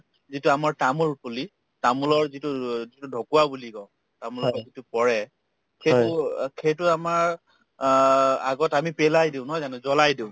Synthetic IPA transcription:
zitʊamaɹtamulpuli | tamulɔɹzitʊzitudʱɔkuabulikɔ̃ | tamulɔɔzitʊpɔɹɛ | kʰejʊkʰejt̬ʊamaɹ | aɡɔtamipɛlajdiʊ̃nɔɦɔjzanɛzɔlajdiʊ̃

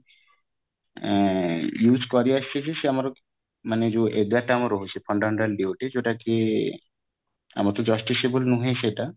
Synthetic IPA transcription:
jud͡ʑʱkɔɾeaʃt͡ʃʰeʃeʃeamaɾo | maned͡ʑoʔed̪aʈːaamaɾoɦot͡ɕʰefʰɔɳɖamẽɳʈalɖeoʈed͡ʑoʈake | a̰mat̪od͡ʑɔsʈiʃebolnuɦeʃeʈa

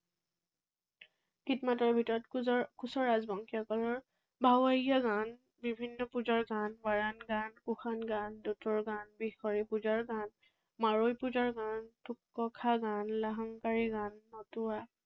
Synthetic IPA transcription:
kitmatɔɹbʱitɔɹɔtkusɔɹazbɔŋkʰiakɔlɔɹ | bʱawaijaɡan | bibʱinːɔpud͡ʒaɹɡanbaɹanɡankuxanɡandutɔɹɡanbixɔɹipud͡ʒaɹɡan | maɹojpud͡ʒaɹɡantukːɔkʰaɡanlaɦɔŋkaɹiɡanːɔtʊa

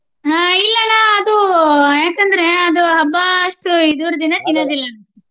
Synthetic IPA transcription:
ailːɐnɐɐd̪ujaːkɐnd̪ɐɾe̞ɐd̪uɦɐbːɐːʂʈuid̪uːɾɐd̪inɐt̪inoːd̪ilːɐnɐʂʈu

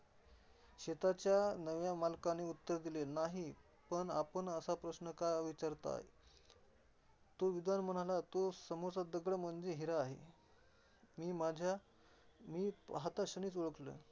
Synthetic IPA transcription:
ɕet̪at͡ɕjanəʋjamalkaneut̪ːəɾd̪ilenaɦi | pəɳapəɳəsapɾəɕnəkajəʋit͡ɕaɾt̪a̰ḛ | t̪oʋid̪anməñalat̪osəmot͡sad̪əɡɭəm̤əɳd͡zeɦiɾaːɦḛ | miːmad͡ʑʱja | miːɦat̪aɕəniːt͡soɭəklə̰ː

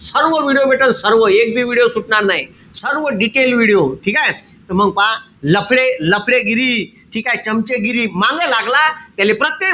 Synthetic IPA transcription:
səɾʋəʋiɽijobeːʈənsəɾʋəeːk̚bʱiʋiɽijosʊʈnaːɾnaːɦḭ̃ | səɾʋəɖiʈeːlʋiɽijoʈʰiːkaːɦet̪omə̃ŋpãlɐpʰɽelɐpʰɽeɡiɾi | ʈʰiːkaːɦet͡ʃɐmt͡ʃeɡiɾimãːŋɡelaːɡlakelepɾət̪ːe

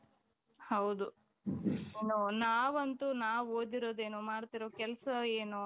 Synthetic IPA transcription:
hɐwd̪u | enunaːʋɐnt̪unaːʋoːd̪iɾoːd̪eːnumaːɽt̪iɾoːkɛlɐsɐeːnu

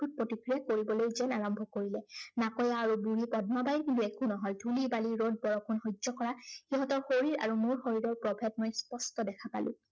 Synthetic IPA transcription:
ut̚pɹotikɹijakoɹibɔlojzɛnaɹɔmbʱɔkoɹilɛnakɔjaːɹubuɹipɔd̚mabajɹkintuɛkunɔɦɔjdʰʱulibaliɹod̚bɔɹɔkʰɔnxɔjzɔkɔɹaxiɦɔtɔɹxoɹiɹa̰ɹumʊɹxoɹiɹɔɹpɹɔbʱɛtmɔjspɔstɔdɛkʰapa̰lʊ̰̃

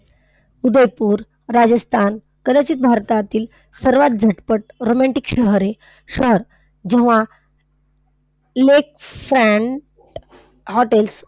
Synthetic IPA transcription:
ud̪əjpuːɾ | ɾad͡ʑəst̪ʰan | kəd̪at͡ɕiːt̪̚bʱaɾt̪at̪iːl | səɾʋat̪̚d͡zʱəʈpəʈ̚ɾomaɳʈikɕəɦɾe | ɕəɦəɾ | d͡ʑɛ̃ʋa | lekfɾɛ̃ɳʈ | hɔʈels

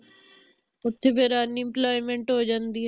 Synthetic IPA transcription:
ʊt̪ʰebeɾaniɪ̃mplaːjmẽɳʈɦoːd͡ʒənd̪iːɦ

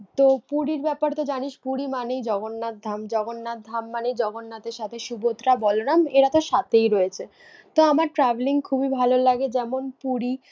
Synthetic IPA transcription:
t̪opuɽiɾbɛpaɾt̪od͡ʑaniʃpuɽimanejd͡ʑɔɡonːad̪ʱamd͡ʑɔɡonːad̪ʱamːanejd͡ʑɔɡonːat̪eɾʃat̪ʰeʃubot̪ɾabɔlonameɾat̪oʃat̪ejɾɔet͡ɕʰe | t̪oamaɾʈɾabeliŋkʰubibʱalolaɡed͡ʑɛmonpuɽi

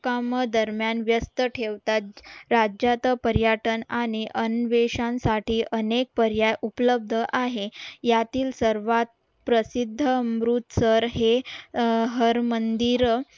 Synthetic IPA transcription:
kaməd̪əɾmjanʋjəst̪əʈʰeʋt̪at̪̚ɾad͡ʑjat̪əpəɾjaʈənaɽ̃iʔənʋeɕãnsaʈiːʔənek̚pəɾjajʔupləb̚d̪ʱəʔaɦejat̪iːlsəɾʋat̪̚ | pɾəsid̪ʱːəmɾut̪səɾɦe | ɦəɾmənd̪iɾ

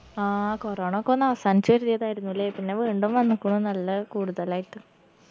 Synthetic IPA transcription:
aːkoroːɳɐokːonːɐʋɐsaːnit͡ɕːuʋɐɾiðejðaːjiɾunːuilːeːpinːe̞ʋiːɳɖumʋɐnːukːuɳunɐlːɐkuːɽuðɐlaːjiʈːɨ

